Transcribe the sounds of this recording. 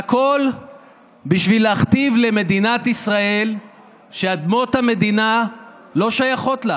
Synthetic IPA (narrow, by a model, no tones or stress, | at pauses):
hako̞l | biʃvileaχt̪ivle̞me̞d̪inat̪isʁae̞l | ʃead̪mo̞t̪hame̞d̪ina | lo̞ʃajaχo̞t̪la